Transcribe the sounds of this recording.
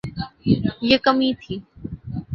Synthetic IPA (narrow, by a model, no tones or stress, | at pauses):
jekəmiːt̪ʰiː